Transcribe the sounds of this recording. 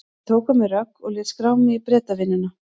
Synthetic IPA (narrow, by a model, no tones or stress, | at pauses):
t̪ʰoːwkamɪrœkːɔɣlɪːt̪skɾawmnɪipɾɛːt̪avɪnːɪna